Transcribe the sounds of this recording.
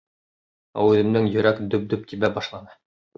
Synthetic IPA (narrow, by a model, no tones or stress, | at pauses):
æ̰wʉðɘ̆md̪ɘŋjɵ̆ɾækd̪ɵp̚d̪ɵp̚t̪iβæbɑʃlˠɑnɤ